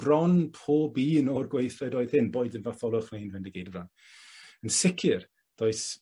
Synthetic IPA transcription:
b̥rɔnpʰoːbiːnɔrɡwejθɛdoːɨð̥hɪnboːɨdənvaθɔlˠʊχnajnvɛndəɡejdvan | ənsɪkʰɪr | d̥oːɨs

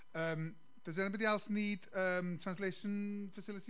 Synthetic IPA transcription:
əːm | d̥əzɛnbədialˠsniːdəːmtʰr̥ãnslejʃənfəsɪlˠɪtʰi

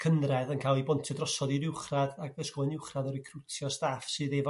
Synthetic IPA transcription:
kʰənrɛðənkʰaːlˠibɔntʰɨdrɔsɔðiɾɪwχradaɡvɛskɔnɪwχradɔɾikʰrʊtʰjɔstaːfsɨːðevɔ

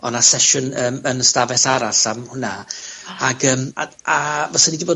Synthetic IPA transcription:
ɔnasɛʃʊnəːmənəstavɛθaɾaɬamhʊnaaɡəːma | avɔsanidiboː

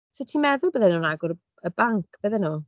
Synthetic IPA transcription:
sʰɛtʰimɛðʊlˠbəðɛnuːnaɡʊɾ | əbaŋkʰb̥əðɛnuː

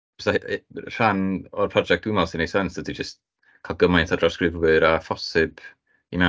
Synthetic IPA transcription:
ɔsar̥anɔrpʰrɔd͡ʒɛk̚d̥ʊmɛlˠsɪnesɛnsd̥ədid͡ʒəst | kʰalˠɡəmajntʰadrɔskrɪvwɨɾafɔsɨb̥ | ḭmɛ

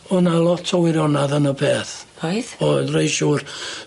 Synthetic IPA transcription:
ɔnalˠɔtʰɔwɪɾɔnaðənəbeːθojðɔðrejʃuːr

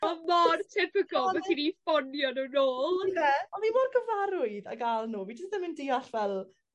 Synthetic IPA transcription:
ɔmartʰɪpəɡɔmaɡʰinifɔnjɔnənoːlˠnɛɔnimɔrɡəvaɾʊɨða̰ɡalˠnuːvid͡ʒəstəmɪndiːaɬvɛlˠ

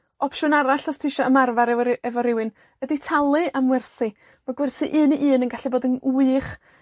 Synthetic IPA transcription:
ɔpʰʃʊnaɾaɬɔstʰɪʃɔəmarvaɾɛvɔɾɪwɨn | əditʰalˠɨʔamwɛrθɨ | maɡwɛrsɨʔɨːnʔɨːnənɡaɬiboːdənuɨχ

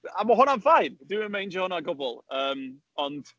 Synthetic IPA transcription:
aməɦʊnaɱfajndɪwɪnəmẽjnd͡ʒəhɔnaɡɔbɔlˠəːm | ɔnd̥

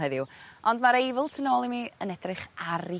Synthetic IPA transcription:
ɛðɪwɔndmaɾejvɪlˠtʰənoːlˠimiənɛdrɨχaɾi

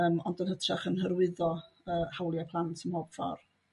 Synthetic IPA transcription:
əmɔ̰ndənhətʰraχənɦəɾwɪðɔ | əːhawlˠjapʰlˠantʰəmhoːb̥fɔ̰r

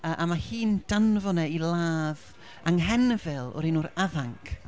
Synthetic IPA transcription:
əʔamahiːnd̥anvɔnɛilˠaːð | aŋɦɛnəvɛlˠɔ̰ɾinʊɾaðaŋkʰ

